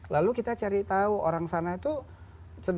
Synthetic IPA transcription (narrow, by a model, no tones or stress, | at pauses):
lalukit̪at͡ʃəɾit̪auoɾaŋsanait̪u | t͡ʃəd